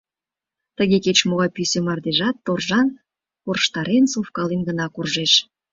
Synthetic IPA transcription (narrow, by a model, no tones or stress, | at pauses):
t̪əɣeket͡ɕmoɣɑjpysʲemɑrd̪eʒɑt̪ːorʒɑn | porʃt̪ɑɾensofkɑlenɡənɑkurʒeʃ